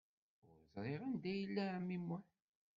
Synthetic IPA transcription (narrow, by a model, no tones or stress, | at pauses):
ʊɾzɾˤeʁænd̪æjəlːæmimːʊħ